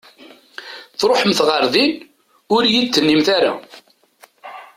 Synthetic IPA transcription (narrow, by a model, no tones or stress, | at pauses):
θɾˤoħəmθʁəɾðin | ʊɾjit̪ːənːimθaɾa̰